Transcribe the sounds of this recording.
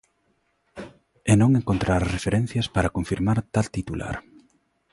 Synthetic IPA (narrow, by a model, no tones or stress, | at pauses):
enõŋeŋkont̪ɾaɾrefeɾẽn̟θjaspaɾakoɱfiɾmaɾt̪alt̪it̪ula̰ɾ